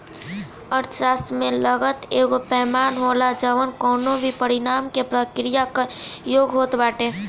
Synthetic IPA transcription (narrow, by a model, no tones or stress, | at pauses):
əɾt͡ʃasmẽləɡət̪eːɡopɛːmaːnɦoːlad͡ʒəʋənkɔːnõbʱipəɾɪnaːmkepɾəkɾijakajoːɡɦoːt̪baːʈeː